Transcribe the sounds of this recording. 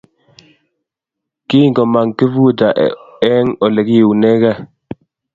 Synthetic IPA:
ki˦ŋɡɔ˨ma˨ŋki˦vu˦˨da˨ʔ | ɛ˦ŋɔ˨lɛ˨ki˦i˨wnɛ˦ɡa˦˨

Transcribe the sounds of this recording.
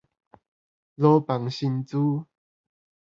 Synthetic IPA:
lo˧pa˨˩ŋɕi˧nt͡su˦

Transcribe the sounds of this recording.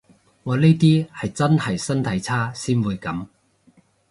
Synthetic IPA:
ŋɔː˨˧ne˥jt̪iː˥hɐ˨jt͡sɐ˥nhɐ˨jsɐ˥nt̪ʰɐ˨˧˥jt͡sʰaː˥siː˥nwuː˨˧jkɐ˨˥m

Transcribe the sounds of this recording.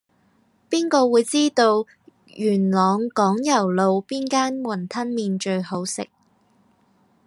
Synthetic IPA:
piː˥nkɔː˧wuː˨˧jt͡siː˥t̪o˧w | jyː˨˩nlɔː˨˧ŋkɔː˨˥ŋjɐ˨˩wlo˨˧wpiː˥nkaː˥nwɐ˨˩nt̪ʰɐ˥nmiː˧nt͡ʃɵ˧ɥho˨˥wsɪ̰˨k̚

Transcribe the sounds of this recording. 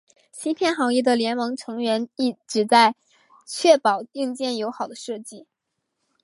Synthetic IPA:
ɕʰi˥pʰjɛ˥˩nxɑ˧˥ŋi˥˩d̪ə˩ljɛ˧˥nmɤ˧˥ŋʈ͡ʂʰɤ˧˥ŋɥɛ˧˥ni˥˩ʈ͡ʂɻ̩˨˩t͡sa˥˧ɪ | t͡ɕʰɥɛ˥˩pɑ˨˩ʊi˥˧ŋt͡ɕjɛ˥˩njo˧˥ʊxɑ˨˩ʊd̪ə˦ʂɤ˥˧t͡ɕi˥˩

